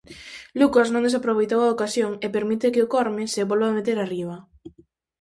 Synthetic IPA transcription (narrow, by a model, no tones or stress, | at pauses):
lukasnõŋd̪esapɾoβ̞ejt̪̬owaokasjoŋepeɾmit̪ekɪʊkɔɾmɪseβolβaamet̪eɾariβ̞ɐ